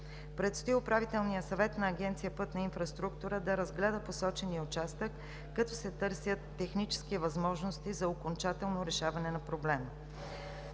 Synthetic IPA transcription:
pɾɛt̪st̪oiʊpɾavit̪ɛlˠnijəsɐvɛt̪nɐːɡʲɛnt̪sijəpɤt̪nɐinfɾɐst̪ɾukt̪uɾəd̪ɐɾɐzɡlɛd̪əposɔt͡ʃɛniəʊt͡ʃast̪əkː | ɐt̪ɔsɛt̪ɤɾsʲjət̪ːɛxnit͡ʃɛ̥skivɐzmɔʒnost̪izɐokont͡ʃat̪ɛlˠnoɾɛʃavɐnɛnɐpɾoblɛmə

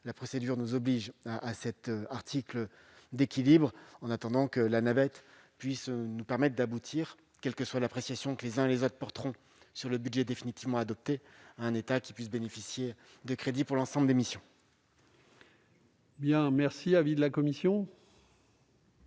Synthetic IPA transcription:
lapχɔsed̪yʁnuzɔbliʒaʔːsɛt̪aʁt̪ʰiklə | d̪ekʲilibʁɑ̃nat̪ɑ̃d̪ɑ̃kəlanabɛt̪ | pɥisnupɛʁmɛt̪χd̪abut̪ʰiʁ | kʲɛlkəswalapχesjasjɔ̃kəlezɛ̃elezot̪χpɔʁt̪ʁɔ̃ | syʁləbyd̪ʒɛd̪efinit̪ivmɑ̃ad̪ɔp̚t̪eaɛ̃net̪akʲi̥pɥis̬benefisje | d̪əkχed̪ipuʁlɑ̃sɑ̃bləd̪emisjɔ̃ | bjɛ̃mɛʁsiavid̪əlakɔmisjɔ̃

